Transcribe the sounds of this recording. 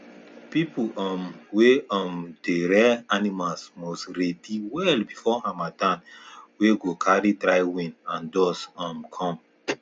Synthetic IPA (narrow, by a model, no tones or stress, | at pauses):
pipuʔɔmweɔ̃mdeɾɛanimalsmɔsɾediwɛlbifɔãmadãnweɡokʰaɾitɾajwĩnãndɔsɔ̃mkʰɔ̃m